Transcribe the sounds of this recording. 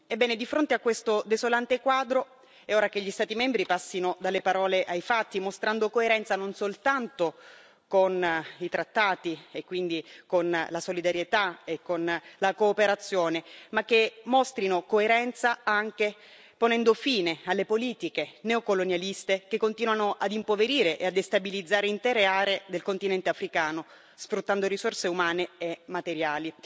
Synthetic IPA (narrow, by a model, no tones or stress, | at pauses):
ebːɛːned̪ifɾont̪eakːwest̪od̪esolant̪ekwaːd̪ɾo | ɛoːɾak̟eʎːist̪aːt̪imɛmbɾipasːinod̪alːepaɾɔːleʔajfat̪ːimost̪ɾand̪okoeɾɛnt̪sanonsolt̪ant̪o | konit̪ɾat̪ːaːt̪iekːwind̪ikonlasolid̪aɾjet̪aekːonlakoːpeɾat̪sːjoːnemak̟ːemːost̪ɾinokoeɾɛnt̪saaŋk̟e | ponɛnd̪ofiːnealːepoliːt̪ikeneokolonjalist̪ek̟ekːont̪iːnwanoʔad̪impoveɾiːɾeʔead̪ːest̪abilid̪zːaːɾeint̪ɛːɾeaːɾeːd̪elkont̪inɛnt̪eafɾikaːno | sfɾut̪ːand̪orisorseumaːneemːat̪eɾjaːli